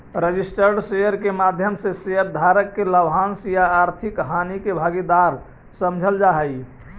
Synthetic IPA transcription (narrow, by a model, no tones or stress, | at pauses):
ɾəd͡ʒisʈəɾɖsejəɾkemad̪ʱjəmseseəɾd̪ʱaɾəkːeləbɦãnsjaːɾt̪ʰikɦanikebʱaɡid̪aɾ | səmd͡ʒʱəld͡ʒaɦəj